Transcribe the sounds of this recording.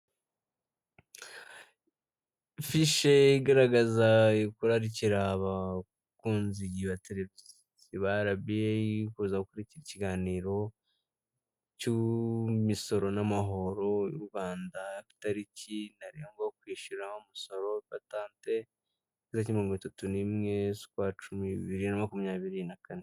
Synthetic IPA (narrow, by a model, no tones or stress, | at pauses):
fiʃeiɡaɾaɡazakuɾaɾiciɾaβa | kuːnzijiβate̞ɾe̞viz | iβaɾaβijekuzakokuɾiciɾiciɡaːniːɾo̞ | cumiso̞ɾo̞namaɦo̞ɾo̞jṵɾɡaːndaki̥taɾicinaɾiŋɡwak̚wiːʃuɾaumuso̞ɾo̞pataːnte̞ | kizacimioŋɡaitatunimŋe̞su̥kwat͡ʃumiβiɾinamakumiɲaːβiɾinakane